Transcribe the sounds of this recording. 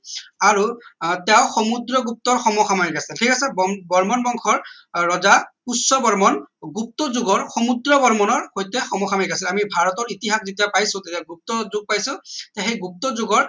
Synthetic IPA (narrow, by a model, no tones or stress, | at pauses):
aɹutɛʊxɔmudɹɔɡup̚tɔɹxɔmɔxamanikasiltʰikasɛbbɔɹmɔnbɔŋxʰɔɹː | ɔzapusːɔbɔɹmɔnɡup̚tɔzʊɡɔɹxɔmudɹɔbɔɹmɔnɔɹxojtɛxɔmɔxamanikasilamibʱaɹɔtɔɹitiɦakzitijapajsʊ̃tetiaɡup̚tɔzʊɡ̚pajsʊ̃tɛxejɡup̚tɔzʊɡɔɹ